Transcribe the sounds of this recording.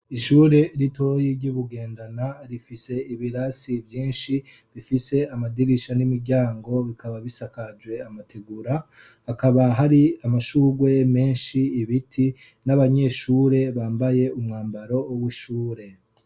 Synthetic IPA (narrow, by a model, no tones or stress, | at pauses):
iʃuːɾe̞ɾito̞jiɾɟuβuɡe̞ːndanaɾifise̞ʔiβiɾasivjiːnʃi | βifise̞amadiɾiʃanimiɾɟaːŋɡo̞βikaβaβisakad͡ʒwe̞amatʰeɡuɾa | hːkaβaɦaɾiamaʃuːɡwe̞me̞ːnʃiːβitʰi | naβaɲe̞ːʃuːɾe̞βaːmbaje̞umŋaːmbaɾo̞ːwiʃuːɾe̞